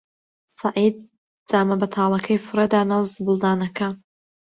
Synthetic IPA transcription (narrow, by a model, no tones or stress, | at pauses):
sɐʕiːd̪̚ | d͡z̥aːmɐbɐt̪ʰaːlˠɐkʰɐjfɨred̪aːnawzbɨlˠd̪aːnɐkʰɐ